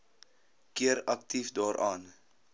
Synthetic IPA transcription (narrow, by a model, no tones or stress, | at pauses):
kiəɾɐk̚tifdɑːɾʔɑːn